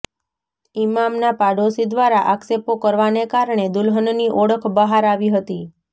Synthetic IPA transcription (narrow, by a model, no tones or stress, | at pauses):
imamnapaɖosid̪ʋaɾaʔaksepokəɾʋanekaɾɳed̪ulɦənniʔɔɽəkʰbəɦaɾaʋiɦət̪i